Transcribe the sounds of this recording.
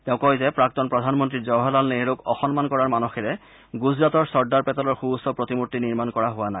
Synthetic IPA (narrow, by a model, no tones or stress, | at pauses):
tɛʊ̃kɔjzɛpɹak̚tɔnpɹɔdʱanmɔntɹizɔwɦɔlalneɹokɔxɔnmankɔɹaɹmanɔxɛɹɛ | ɡuzɹatɔɹsɔɹdaɹpɛtɔlɔɹxuusɔpɹotimutːiniɹmankɔɹaɦʊwanaj